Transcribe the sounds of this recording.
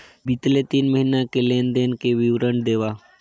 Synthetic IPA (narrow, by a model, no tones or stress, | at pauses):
bɪt̪let̪iːnməɦinakelẽːnd̪eːnkeʋiʋɾəɳd̪eːʋaː